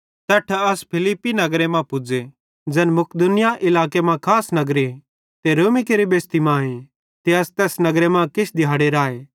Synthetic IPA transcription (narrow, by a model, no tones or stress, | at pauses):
t̪ɛʈʰɐspʰɪlɪpːinɐɡɾemãpʊd͡ʒe | d͡ʒɛːnmʊkd̪ʊnɪjaʔɪlaːkemãkʰaːsnɐɡɾe | t̪eɾoːmikeɾibeːst̪imãːẽ | t̪eɐst̪ɛːsnɐɡɾemãkɪt͡ʃʰd̪ʱɪjaːɽeɾaːeː